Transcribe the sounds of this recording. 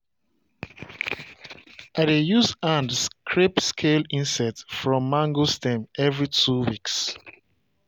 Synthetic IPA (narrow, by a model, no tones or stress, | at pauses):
aɪdejusãndskʰɹepskʰelĩnsɛtfɹɔ̃mːãŋɡostɛ̃mɛvɹitʰuwiks